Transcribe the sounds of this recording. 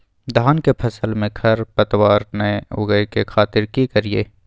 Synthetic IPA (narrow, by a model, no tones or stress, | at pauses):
d̪ʱaːnkepʰɐsəlmẽɡʰʱɐɾpɐt̪waːɾneo̰ɡəekexaːt̪ɪɾkikɐɾiḛː